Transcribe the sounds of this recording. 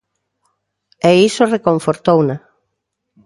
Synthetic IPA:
eisorekõɱfoɾt̪owna

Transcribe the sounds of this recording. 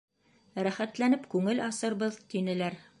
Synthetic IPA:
ɾæχæt̪lænɘpkʉŋɘlɑsɤ̆ɾβɤðt̪inɘ̆læɾ

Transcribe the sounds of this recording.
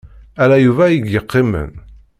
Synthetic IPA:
ælæjuvæjiɡjəqʰːɪmə̰n

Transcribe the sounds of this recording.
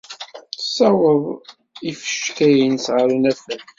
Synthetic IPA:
sæwəðˤ | ifə̥ʃkæjənsʕəɾənæfən

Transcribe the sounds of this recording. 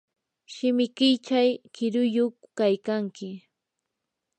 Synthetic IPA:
ʃɪmɪkɪjt͡ʃajkɪɾʊjoχkajkaŋkɪ

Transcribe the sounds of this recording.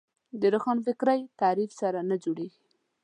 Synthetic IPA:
d̪əɾaxɑnfɪkɾajt̪ɑɾifsaɾanad͡ʒoɽeɡi

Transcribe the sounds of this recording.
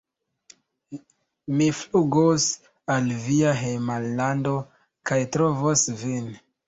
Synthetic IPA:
mifluɡos | alviaɦemalːando̞ | kajtɾovosvin

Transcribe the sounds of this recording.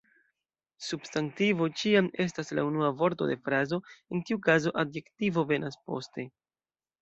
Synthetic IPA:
substantivo̞t͡ʃiame̞s̬tasla̰unuavo̞ɾto̞̰de̞fɾazo̞enkiukazo̞ʔadje̞ktivo̞ve̞naspo̞̰ste̞

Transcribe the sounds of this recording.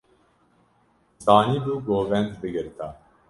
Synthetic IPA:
zaːniːbuːɡoːvɛnt̪bɨɡɨɾt̪ʰa

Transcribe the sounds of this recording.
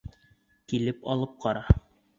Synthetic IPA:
kilɘpɑlˠɤp̚qɑɾɑ

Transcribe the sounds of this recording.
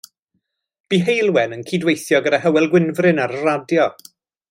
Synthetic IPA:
b̥iːɦejlˠwɛnənkʰidwejθjɔɡəɾahəwɛlˠɡwɪnvrɪnaɾəradjɔ

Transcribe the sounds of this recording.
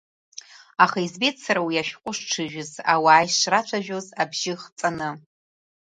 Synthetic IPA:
aχaizbetʰsaɾawiaʃᶣqʷʼʊʂʈ͡ʂʰɨʒᶣʊzawaːjʂrat͡ʃʷʰaʒᶣozabʒɪχt͡sʼanɨ

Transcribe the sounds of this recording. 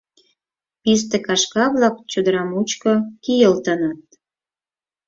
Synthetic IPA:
pis̬t̪ĕkɑʃkɑβlɑk̚t͡ɕud̪əɾɑmut͡ɕkokijəlt̪ənɑt̪̚

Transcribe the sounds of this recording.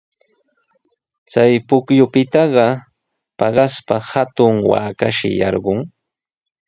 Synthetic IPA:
t͡sajpʊkjʊpɪt̪ɑɢɑ | pɑɢɑspahat̪ʊŋwa̰ːkaʃɪ̰jɑ̰ɾɢʊŋ

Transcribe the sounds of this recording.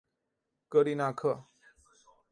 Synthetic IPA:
kəɾinakʰə

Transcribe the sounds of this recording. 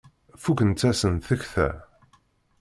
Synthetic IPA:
fukənt͡s̪ːæsənθəçθæ̰

